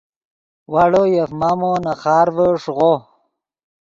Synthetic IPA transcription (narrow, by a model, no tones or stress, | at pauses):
waɽojefmamonaχaːɾvəʂʁo